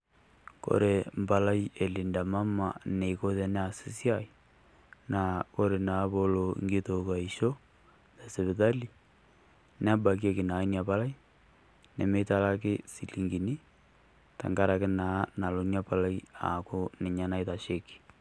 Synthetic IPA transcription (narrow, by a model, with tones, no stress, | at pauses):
ko̰˨ɾe˨mba˨la˦je˨li˨nda˨ma˦ma˨ne˨ko˦tɛ˨nɛ˦a˨si˨˦si˦a˨ | na˨ko˦ɾe˨naː˨˦bo˦lo̰˨ŋɡi˦to˨ka˨i˨ʃo˦ | dɛ˨se˨βɪ˨ta˦li˨ | nɛ˦a˦ba˨k̬je˦kɪ˨na˨i˦nja˨pa˦la˦i˦ | nɛ˨me˦ta˦la˦kɪ˦si˨li˨ŋɡi˨ni˦ | ta̰˨ŋɡa˦ɾa˨kɪ˦na˨˦na˨lo˨nja˦pa˨la˦ja̰˨kʊ˦nɪ˨ɲa˨na˦ɪta˨ʃe˦ki̥˨